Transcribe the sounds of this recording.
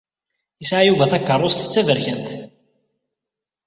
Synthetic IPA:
jisʕajuvæθækːərˤːost̪ə̥t͡sːævəɾçænt̪

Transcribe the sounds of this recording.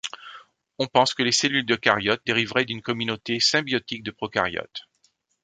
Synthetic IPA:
ɔ̃pɑ̃skəleselyld̪əkaʁjɔt̪̚d̪eʁivʁɛd̪ynkɔmynot̪esɛ̃bjɔt̪ik̚d̪əpχɔka̰ʁjɔ̰t̪

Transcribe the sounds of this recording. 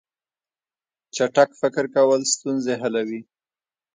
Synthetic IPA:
t͡ʃaʈakfɪkɪɾkawəlst̪unzeɦalawi

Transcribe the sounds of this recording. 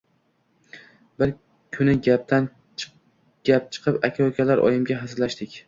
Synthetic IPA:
bɪɾ | kʲʰʊnɪɡʲap̚t̪ʰan | ɡ̥ʲap̚t͡ʃʰɨ̥qʰɨpakʲʰakʲʰalaɾʔɒ̰jɪmɡʲaɦasɪlaʃt̪ɪkʲ

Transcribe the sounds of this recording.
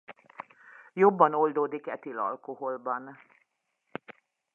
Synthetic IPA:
jobːɒno̞ld̪oːd̪ikɛt̪ilɒ̰lkoɦo̞lbɒn

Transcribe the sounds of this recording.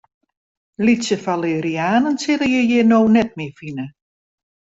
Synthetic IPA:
litsəfaleɾiaːnənsɪləjəjɪnoːnɛt̚mɪfinə

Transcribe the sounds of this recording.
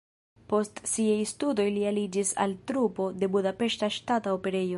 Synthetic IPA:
po̞stsiajstudo̞jlialid͡ʒisa̰ltɾupo̞de̞budape̞ʃtaʃtataope̞ɾe̞jo

